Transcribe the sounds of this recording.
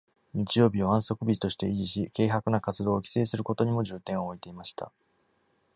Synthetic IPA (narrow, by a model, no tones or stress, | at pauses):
ɲ̟it͡ɕijo̞ːbʲio̞ãɰ̃so̞kɯ̟bʲii̥t̪o̞ɕi̥t̪e̞iʑiɕike̞ːɦakɯ̟nakat͡sɨd̪o̞ːkʲi̥se̞ːsɨɾɯ̟ko̞t̪o̞ɲ̟imo̞ʑɨːt̪ẽɰ̃ooit̪e̞imaɕi̥t̪a̰